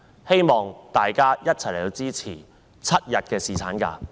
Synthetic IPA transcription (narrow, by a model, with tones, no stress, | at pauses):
he˥jmɔː˨ŋt̪aː˨jkaː˥jɐ˥t̚t͡sʰɐ˨˩jle˨˩t̪o˧wt͡siː˥t͡sʰiː˨˩ | t͡sʰɐ˥t̚jɐ˨t̚kɛː˧siː˨˩t͡sʰaː˨˥nka̰ː˧